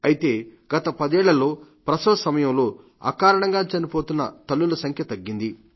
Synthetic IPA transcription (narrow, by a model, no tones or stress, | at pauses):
ɐjit̪e̞ːɡ̥ɐt̪ɐpɐd̪ɛːɭːɐlo̞ːpɾɐsɐːsɐmɐjɐmlo̞ː | ɐ̰kaːɾɐɳɐŋɡaːt͡ʃɐnipo̞ːt̪unːɐ̰t̪ɐlːulɐsɐŋkʰjɐt̪ɐɡːind̪i